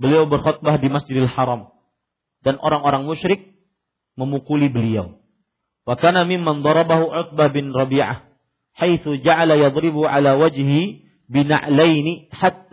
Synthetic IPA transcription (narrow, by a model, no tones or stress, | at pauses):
bəliawbərxɔt̪̚bahdimasd͡ʒɪdalħɑɾˤɑm | danʔoɾaŋoɾaŋmʊʃɾɪk̚ | məmukulibəlia̰w | wakaːnamɪmːand̪ˤɑɾˤɑbaɦuʕʊt̪̚bahbɪnrˤɑbiːʕa̰h | hajθud͡ʒaʕalajɑd̪ˤɾɪbʕa̰lawad͡ʒɦi | bɪna̰ʔlajniħat̪ː